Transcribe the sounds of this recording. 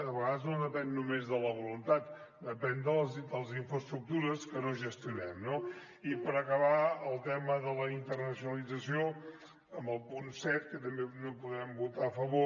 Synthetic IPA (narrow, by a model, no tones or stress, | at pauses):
əβəɣaðəznod̪əpɛnːumezðələβ̞ulunt̪at̪ | d̪əpɛnd̪əzd̪əlˠəziɱfɾəst̪ɾuk̚t̪uɾəskənoʒəst̪junɛmno | ipəɾəkəβaəlˠt̪ɛməðələint̪ərnəsjunəlid͡zəsio | əmbəlˠpunsɛt̪̚kət̪əmbenopuðɾɛmbut̪aəfəβo